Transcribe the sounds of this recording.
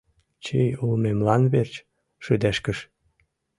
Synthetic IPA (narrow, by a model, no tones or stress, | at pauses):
t͡ɕejulmemlɑnβert͡ɕ | ʃød̪æʃkəʃ